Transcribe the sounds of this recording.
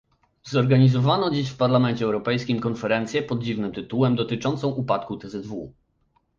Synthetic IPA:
zɔɾɡaɲizɔvanɔd͡ʑiɕfpaɾlamɛnt͡ɕɛɛwɾɔpɛjskʲimkɔnfɛɾɛnt̪sʲjɛpɔd̪̚d͡ʑivnɘmt̪ɘt̪uwɛmd̪ɔt̪ɘt͡ʂɔnt̪sɔ̃w̃ʔupat̪kut̪ɛzɛd̪vṵ

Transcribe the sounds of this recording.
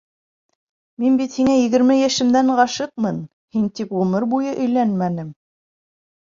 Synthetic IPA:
minbit̪hiŋæjɘ̆ɡɘ̆ɾmɘjæʃɘ̆md̪æɴɢɑʃɤq̚mɤn | hint̪ipʁɵmɤɾbujɤʔɵ̆jlænmænɘm

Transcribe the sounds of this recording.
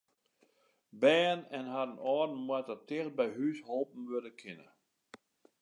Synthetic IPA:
bɛːənɛnɦadənɔːdn̩mwatətɪxt̚bɛjɦysholˠp̚m̩ʋødəkʰɪnə̰

